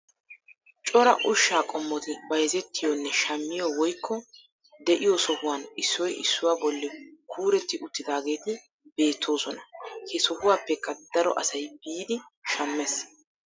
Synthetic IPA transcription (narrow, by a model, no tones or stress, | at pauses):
t͡ʃʼɔɾɐʔʊʃːaːkʼɔmːɔt̪ɪbɐjɛzɛt̪ːɪjonːɛʃɐmːɪjowɔjkʰːɔ | d̪ɛʔɪjosɔhʊwanɪsːɔjɪ̰sːʊwaːbɔlːɛkʰuːɾɛt̪ːɪʔʊt̪ːɪd̪aːɡe̞ːt̪ɪ | b̥e̞ːt̪ʰːo̞ːsɔnɐhɛsɔhʊwaːpːɛkːɐd̪ɐɾɔ̰ʔɐsɐjbiːd̪ɪʃɐmːɛs